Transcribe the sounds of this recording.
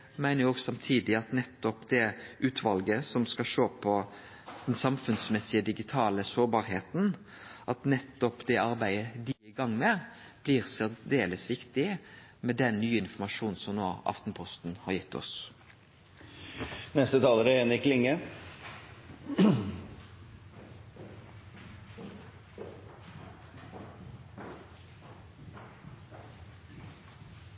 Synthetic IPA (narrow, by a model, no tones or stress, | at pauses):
mæɪnəɾjoːɡsɑmt̪ʰiːd̪ɪɑt̪nɛt̪ːɔpd̪ɛʔʉːt̪ʰʋɑlɡəsɔmskɑʃoːpʰɔ | d̪̥ɛnsɑmfʉnsmɛsːɪəd̪ɪɡɪt̪ʰɑːləsoːbɑːɾɦeːt̪n̩ | ʔɑt̪nɛt̪ːɔpd̪ɛɑɾbæɪəd̪iɪɡɑŋːmɛ | b̥liʁsæʁd̪eːləsʋɪkt̪ɪmɛd̪ɛnːyːɪnfɔmɑʂuːnsɔmnoːɑ̰ft̪n̩pʰɔst̪nhɑʁjɪt̪ːɔ̰s | nɛst̪ət̪ʰɑːləɾəenɪklɪŋːə